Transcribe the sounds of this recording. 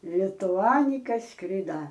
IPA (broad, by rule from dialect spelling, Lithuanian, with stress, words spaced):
lʲɪtʊˈɑːnʲɪkɐ ˈskrʲɪdɐ